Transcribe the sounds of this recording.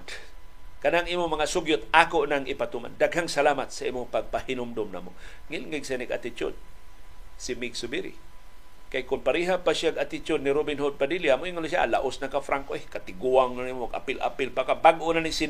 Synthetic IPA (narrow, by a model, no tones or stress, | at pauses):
kanaŋiːmʊmɐŋasʊɡjʊt̪aːkoʔnaŋɪpat̪uma̰nd̪aɡɦaŋsalaːmat̪saʔiːmʊŋpaɡ̚pahɪnʊmd̪ʊmna̰ːmoŋɪlŋɪɡsaniɡa̰t̪ɪt͡ʃʊ̰d̪̚ | sɪmɪksʊbiɾḭ | kajkʊnpaɾiːɦapaʃjaɡat̪ɪt͡ʃʊd̪nɪɾobɪnɦod̪̚padiliamoʔiŋonaʃa̰la̰ʔosnakafɾaŋkoekat̪ɪɡuaŋnanimoɡa̰pɪlʔa̰pɪlpakabaɡʔonanisin